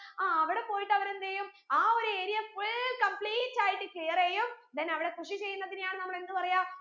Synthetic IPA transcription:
aːɐʋiɽe̞po̞ːjiʈːɐʋɐɾend̪eːjum | aːo̞ɾue̞ːɾijɐfuɭkɐmpɭiːtːaːjiʈːɨkɭijɐreːjumd̪ɐnɐʋiɽe̞kuʂit͡ɕe̞jːunːɐðinejaːɳɨnɐmːɐɭe̞nd̪ɨpɐrɐjaː

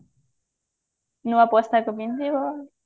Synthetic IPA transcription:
nũapwost̪akupint̪iβo

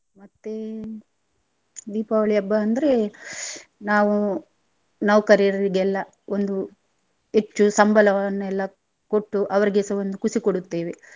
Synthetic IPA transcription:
mɐt̪ːe | d̪iːpɐʋɐɭijɐbːɐːnd̪ɐɾe | naːʋu | nɐʋkɐɾiɐɾɐɾiɡɛlːɐ | o̞nd̪u | e̞t͡ʃːusɐmbʱɐlɐʋɐɐnːuɛlːɐ | koʈːuʔɐʋɐɾiɡesɐʋond̪ukusikoɽut̪ːeːʋe

